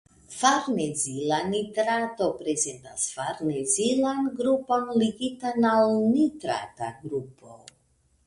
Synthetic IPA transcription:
faɾnezilanitɾatopɾezentasfaɾnezilanɡɾupo̞nliɡitanalnitɾa̰ta̰ɡɾupʰo

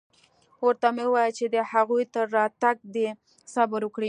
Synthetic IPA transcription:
wəɾt̪amewɑjət͡ʃed̪əhaɣujt̪əɾːɑt̪aɡ̚d̪e | sabəɾwəkɽi

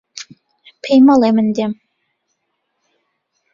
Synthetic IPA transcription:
pʰejmɑlˠemɘnd̪ʲem

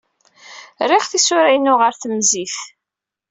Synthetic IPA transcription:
rɪʁθisʊɾæjnʊʁəɾθəmziθ

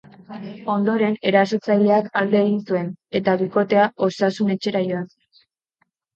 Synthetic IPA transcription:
o̞nd̪o̞ɾe̞ne̞ɾasot͡sajle̞akald̪e̞ːɣinsue̞ne̞t̪aβiko̞t̪e̞ao̞sasune̞t͡ʃe̞ɾajoan

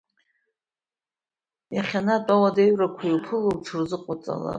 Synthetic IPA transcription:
jaχʲanatʼawadejɥrakʷʰijwpʰɨlowʈ͡ʂʰɨrzɨqʼat͡sʼa̰la̰

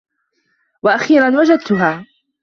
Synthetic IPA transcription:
waʔaxiːɾanwad͡ʒad̪̚t̪ʊɦaː

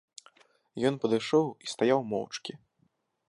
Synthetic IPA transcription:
jɔnpɐd̪ɨjʂɔwist̪ajawmɔ̰wt͡ʂkʲi

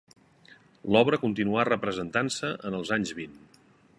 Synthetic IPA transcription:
lɔβɾəkunt̪inuarəpɾəzənt̪ansəʔənəlˠzaɲzβin

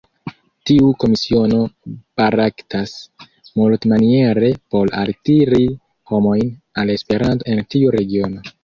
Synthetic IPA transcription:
tiuko̞misio̞no̞b̥aɾaktas | multmanie̞ɾe̞po̞la̰ltiɾi | ho̞mo̞jn | ale̞spe̞ɾanto̞e̞ntiuɾe̞ɡio̞no̞

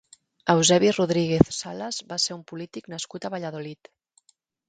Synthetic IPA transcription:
əwzɛβiruðɾiɣeθsaləzβaseɾumpulit̪iknəskut̪əβaʎaðolit̪

